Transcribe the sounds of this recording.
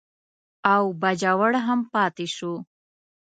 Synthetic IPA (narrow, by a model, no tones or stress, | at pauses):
awbad͡ʒawəɽɦəmpɑːt̪iʃu